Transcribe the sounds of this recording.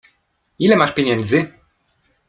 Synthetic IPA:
ilɛmaʂpʲjeɲɛnd̪zɘ

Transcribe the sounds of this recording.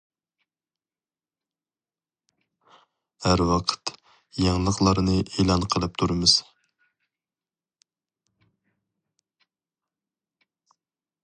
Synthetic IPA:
hæɾwɑqʰə̥t̪ | jɑŋlˠəqlˠɑɾnɨʔeːlˠɑnqʰəlˠɨp̚t̪ʰuɾɨmɨz̥

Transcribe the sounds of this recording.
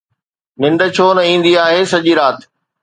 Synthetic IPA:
nɪ̃ɳɖə̆t͡ɕʰoːnɐĩːn̆d̪iaːɦeːsɐʄiɾaːt̪

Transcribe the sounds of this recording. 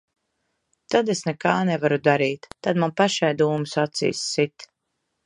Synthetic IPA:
t̪ad̪esnɛkaːnɛvaɾud̪aɾiːt̪ːad̪manpaʃajd̪uːmusat̪sḭːjsːit̪

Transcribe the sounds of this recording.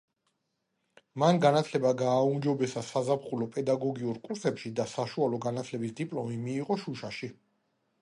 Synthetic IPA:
manɡanat̪ʰlɛbaɡaːumd͡ʒɔbɛsasazapχulɔpʼɛd̪aɡɔɡiuɾkʼuɾsɛpʃid̪asaʃualɔɡanat̪ʰlɛbisd̪ipʼlɔmimiːʁɔʃuʃaʃi

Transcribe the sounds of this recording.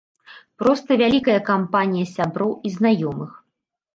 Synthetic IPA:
pɾɔst̪ɐvʲalʲikɐjɐkampanʲijɐsʲabɾɔwiznajɔmɨx

